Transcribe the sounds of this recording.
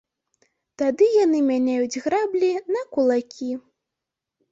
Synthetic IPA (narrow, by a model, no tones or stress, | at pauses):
t̪ad̪ɨjanɨmʲanʲajud͡zʲɣɾablʲinɐkulˠakʲi